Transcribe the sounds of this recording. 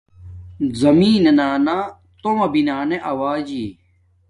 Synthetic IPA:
zɐmiːnenaːnaː | t̪omɐbinaːneʔɐwaːd͡ʑiː

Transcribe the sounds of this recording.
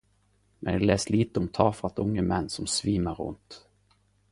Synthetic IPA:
mɛnd̪ɛlɛːsliːt̪əɔmt̪ʰɑːfɾat̪ʊŋːəmɛnːsɔmsviːməɾɵ̰nt̪

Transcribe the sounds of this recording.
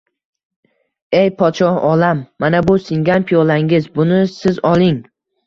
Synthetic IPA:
ejpʰɒt̪ʃɒhɒlamːanabʊsɪŋɡʲanpʰijolaŋɪzbʊnɪsɪzɒlˠɪŋ

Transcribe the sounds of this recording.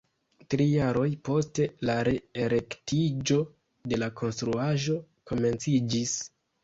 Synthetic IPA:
tɾijaɾo̞jpo̞ste̞laɾeeɾe̞ktʰid͡ʒo̞ | de̞lakʰo̞nstɾuaʒo̞ | ko̞me̞nt͡sid͡ʒis

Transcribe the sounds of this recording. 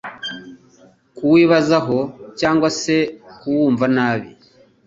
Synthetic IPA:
kuwiːβazaɦo̞caːŋɡwase̞kuwuːɱvanaːβḭ

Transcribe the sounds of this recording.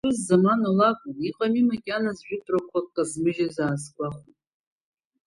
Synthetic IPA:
ɨzːamanolakʷʼʊniqʼamimakʲʼanazʒᶣɪdʼrakʷʰakːʼazmɨʒazaːskʷʼaχʷut

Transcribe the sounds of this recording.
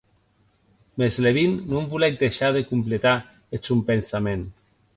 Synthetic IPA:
mezleβinːumbulɛk̚d̪eʃaðekumplet̪a | et͡sumpensamen

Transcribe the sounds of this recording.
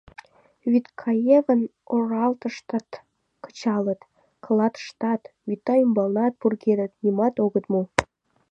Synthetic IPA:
vyt̪kʰɑjevənorɑlt̪ə̆ʃt̪ɑt̪ | kə̥t͡ɕɑlə̆t̪ | kə̆lɑt̪ʃt̪ɑt̪wyt̪ːɑymbɑlnɑt̪̚purɡed̪ət̪nʲimɑt̪oɣət̪mu

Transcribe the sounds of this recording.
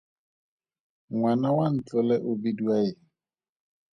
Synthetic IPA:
ŋwanawan̩t͡ɬɔlɛʔobiduajɪ

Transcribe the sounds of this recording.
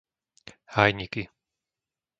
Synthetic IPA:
hajɲiki

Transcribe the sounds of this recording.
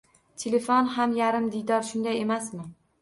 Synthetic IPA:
t̪ʰelefonɦamjaɾɪmd̪ɪjd̪ɒɾʃʊnd̪aje̞masmɪ

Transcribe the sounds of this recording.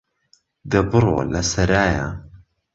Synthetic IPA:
d̪ɐbɨɾˤo̰ːlɐsɐɾaːja̰

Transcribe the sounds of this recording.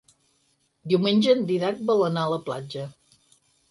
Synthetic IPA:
d̪iwmenʲd͡ʒəːnd̪iðak̚balənaələplad͡ʒə

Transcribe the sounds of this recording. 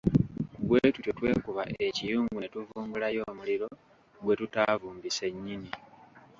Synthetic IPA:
kuβweːtuto̞twe̞ːkuβaʔe̞cijuːŋɡunetuvuːŋɡulajo̞ːmuliɾo̞ | ɡwe̞tutaːvuːmbise̞ɲːini

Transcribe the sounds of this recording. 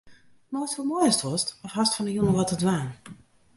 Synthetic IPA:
nɔstumojəstʋɔstɔfhastfɔnəjunəʋɔtədʋaːn

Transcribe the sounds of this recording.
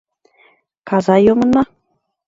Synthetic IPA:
kɑzɑjomɤ̆nɑ

